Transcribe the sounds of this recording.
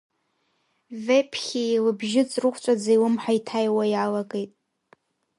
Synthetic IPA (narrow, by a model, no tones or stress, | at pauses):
vepʰχʲilɨbʒɪt͡sʼrɨχʷʰʼt͡ʃʷʼad͡zaiwɨmħᶣaitʰajwajalaɡejtʼ